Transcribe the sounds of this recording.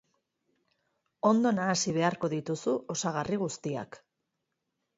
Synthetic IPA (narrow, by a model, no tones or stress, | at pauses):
o̞nd̪o̞naːsiβ̞e̞aɾko̞ðit̪usuʔo̞saɣ̞ariɣust̪ia̰k